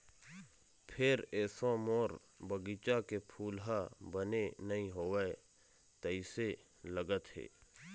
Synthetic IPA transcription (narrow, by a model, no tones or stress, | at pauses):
pʰɪɾɛːsõmoːɾ | bəɡit͡ʃakepʰuːlɦabənenəɦĩɦoːwəe | t̪əise | ləɡət̪ɦḛː